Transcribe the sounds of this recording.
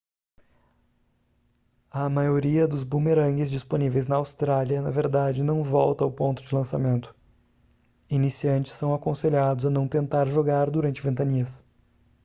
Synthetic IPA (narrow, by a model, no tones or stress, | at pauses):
ɐmajoɾiɐd̪ʊzbumeɾɐ̃ɡɪzd͡ʒisponivejznɐawst̪ɾaljɐnɐ̰veɾd̪ad͡ʒɪnɐ̃w̃vɔwt̪ɐʊpõnt̪ʊd͡ʒɪlɐ̃samẽnt̪ʊ̥ | inisiɐ̃nt͡ʃɪ̥sːɐ̃w̃akõseʎad̪ʊzɐnɐ̃w̃t̪ẽnt̪aɾʒoɡaɾd̪uɾɐ̃nt͡ʃɪvẽnt̪ɐniɐs